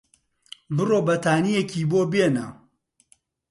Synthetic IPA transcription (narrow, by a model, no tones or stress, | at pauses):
bɨroːbɐt̪ʰaːnijekiːboːbeːnɐ